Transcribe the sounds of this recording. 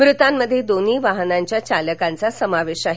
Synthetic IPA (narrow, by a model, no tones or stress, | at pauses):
bɾut̪amːəd̪ʱːjed̪oniːʋaɦənaɲt͡ɕjat͡ɕaləkant͡sasəmaʋeɕaɦ